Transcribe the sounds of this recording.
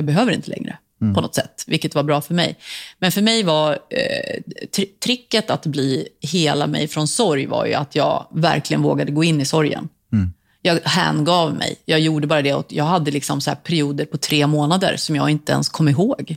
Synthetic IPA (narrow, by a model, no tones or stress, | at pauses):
jɑːɡbɛɦøːvəɾɪ̰nt̪əlɛ̰ŋɾə̰ | pʰɔnɔt̪sɛt̪ːvɪlkːət̪vaɾbɾɑːfœɾmɛ̰jmɛnfœɾmɛjvaɾ | t̪ʰɾt̪ʰɾɪkːət̪at̪bliːheːlamɛ̰jfɾɔnsɔɾjva̰ɾjɵ̰at̪ʰjɑːɡvæ̰ɾklɪɡənvoːɡad̪əɡoːɪnːɪsɔɾjə̰n | jɑːɡhɛ̰nɡɑːvmɛ̰jjɑːjuːɖəbɑːɾad̪ɛɔ̰t̪jɑːɡɦad̪ːəlɪksɔmsahæːɾpʰæɾɪuːd̪əɾpʰɔt̪ʰɾeːmoːnad̪ə̰ɾsɔmjɑːɡɪnt̪əɛ̰nskʰɔmːɪɾɦoːɡ